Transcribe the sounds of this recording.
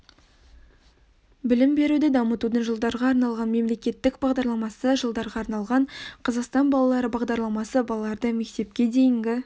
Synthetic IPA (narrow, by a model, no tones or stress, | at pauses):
bɪlɪmbe̞ɾud̪ɪd̪ɑmət̪ud̪əɴʒəlˠd̪ɑɾʁɑːɾnɑlˠʁɑnme̞mle̞kʲe̞t̪ːɪkbɑʁd̪ɑɾlˠɑmɑsəʒəlˠd̪ɑɾʁɑːɾnɑlˠʁɑɴqʰɑzɑqst̪ɑnbɑlˠɑlˠɑɾəbɑʁd̪ɑɾlˠɑmɑsəbɑlˠɑlˠɑɾd̪əme̞k̚t̪e̞pkʲe̞d̪e̞jɪŋɡʲɪ